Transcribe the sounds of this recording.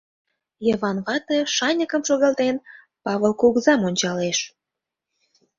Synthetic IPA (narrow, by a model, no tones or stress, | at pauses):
jəβɑnβɑt̪ĕʃɑnʲəkə̆mʃoɣɑlt̪en | pɑβə̆lˠkuɣzɑmonʲt͡ɕɑleʃ